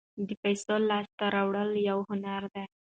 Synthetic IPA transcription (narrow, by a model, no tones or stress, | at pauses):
d̪əpajsolɑst̪aɾawɽəljawhʊnaɾd̪a